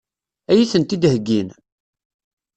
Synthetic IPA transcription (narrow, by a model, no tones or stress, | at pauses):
æjiθənt̪id̪həɡːin